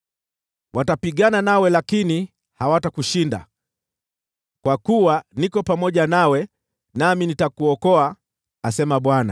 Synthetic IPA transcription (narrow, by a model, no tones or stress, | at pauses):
wʔatapiɠananawɛlakini | hawatakuʃinda̰ | kwakuwanikɔpamɔʄanawɛ | naminitakuɔkɔaː | sɛmaɓwana̰